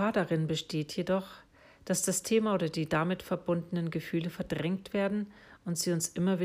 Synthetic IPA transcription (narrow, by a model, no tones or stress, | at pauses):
aːɐdaʁɪnbəʃtʰeːtʰjedɔχ | d̥asd̥astʰeːmaoːɾɐdiːdamɪtfɛɐbʊndənənɡəfyːləfɛɐdʁɛŋktv̥eːɐdn̩ʊntz̥iːʊnsʔɪmɐviː